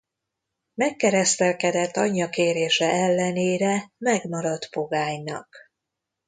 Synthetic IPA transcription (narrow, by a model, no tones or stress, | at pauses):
mɛkːɛɾɛst̪ɛlkɛd̪ɛt̪ːɒɲːɒkeːɾeːʃɛɛlːɛneːɾɛmɛɡmɒɾɒt̪po̞ɡaːɲnɒk